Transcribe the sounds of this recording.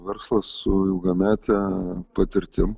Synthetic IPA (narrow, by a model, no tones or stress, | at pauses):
ʋʲɛɾslˠɐsːʊɪlˠɡɐmʲæːt̪ʲɛpɐt̪ʲɪɾʲt̪ʲɪm